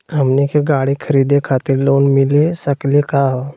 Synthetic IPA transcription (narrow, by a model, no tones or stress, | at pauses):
əmnikeɡaɽikʰəɾid̪ekʰat̪iːɾloːnmilesəkleka